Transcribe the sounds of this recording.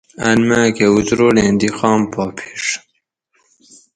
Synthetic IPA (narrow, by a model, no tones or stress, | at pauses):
ɐnmækeut̪ɾoːlẽːnd̪ixɑːmpʰɑːpʰi̥ʂ